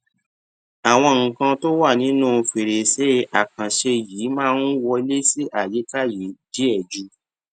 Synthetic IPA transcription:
a˨w̃ɔ̃˧ŋ̩˨kã˧to˦wa˦˨nĩ˨˦nũ˦˨˧fe˨ɾe˨se˦a˨kã˨ʃe˧jiː˨˦mãː˦˧˦n̩˦wɔ˧i˧le˦si˦ʔa˨je˨˦ta˦˨ji˨˦di˦ɛ˦˨d͡ʒu˦

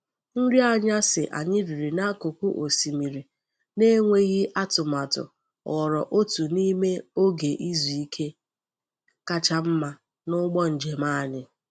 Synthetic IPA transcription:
n̩˦ɾi˦a˦ɲa˦sɪ˨ʔa̰˨ɲɪ˦di˨ɾi˨na˦ku˨ku˦ʔo˨si˨mi˨ɾi˨ | ne˦ŋʷe˦ɣɪ˦ʔa˦tʊ˨ma˨tʊ̰˨ | ɔ˨ɾɔ˨ʔo˦tu˨ni˦me˦o˦ɡe˨ʔi˦zu˨i˦kʰe˦ | ka˦t͡ʃa˦m̩˦ma˦ | nʊ˦ɡ͡bɔ˦n̩˨d͡ʒe˨maː˦a˨ɲɪ˨

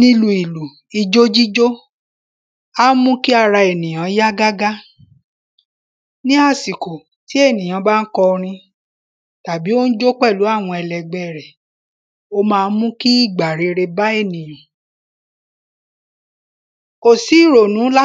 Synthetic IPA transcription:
nĩ˧lu˨i˨lu˨ | i˧d͡ʒo˦d͡ʒi˦d͡ʒo˦ | a˦mũ˦ki˦a˦˨ɾa˧e˨nĩ˨j̃ã˨˦ja˦ɡa˦ɡa˦ | nĩ˦a˦˨si˨ko˨ | ti˨˦e˦˨nĩ˨j̃ã˨˧ba˦n̩˦kɔ˧ɾ̃ĩ˧ | ta˨bi˨˦o˦n̩˦d͡ʒo˦k͡pɛ˦˨lu˨˦a˦˨w̃ɔ̃˧ɛ˧lɛ˨ɡ͡bɛ˨ɾɛ˨ | o˧mãː˧n̩˦mũ˦ki˦i˦˨ɡ͡ba˨ɾe˨˧ɾe˧ba˦e˦˨nĩ˨jã˨ | o˦˨si˨˦i˦˨ɾo˨nũ˨˦la˦

